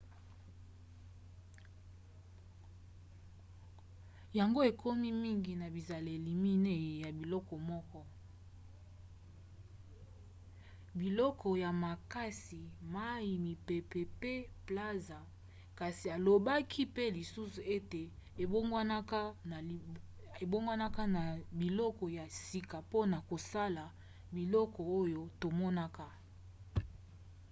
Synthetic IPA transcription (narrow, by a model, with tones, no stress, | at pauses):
ja˨ŋɡo˦e˨kʰo˦mi˦mi˦ŋɡi˨na˨bi˨za˨le˨li˨mi˦ne˦e˨ja˨bi˨lɔ˦kɔ˨mɔ˦kɔ˦ | bi˨lɔ˦kʰɔ˨ja˨ma˨ka˦si˨ma˦ji˨mi˨pe˨pe˨pe˦pla˦za˨ | ka˨si˨a˨lo˨ba˦kʰi˦pe˦li˨su˦su˨e˦te˨e˨bo˦ŋɡwa˦na˦ka˦˨ | e˨bo˦ŋɡwa˦na˦ka˦na˨bi˨lɔ˦kɔ˨ja˨si˨ka˨po˦na˨ko˨sa˦la˨ | bi˨lɔ˦kɔ˨o˦jo˦to˨mɔ˦na˦ka˦